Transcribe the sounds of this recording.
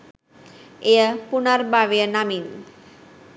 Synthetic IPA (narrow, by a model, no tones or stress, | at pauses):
ejəpunaɾbaʋejənamin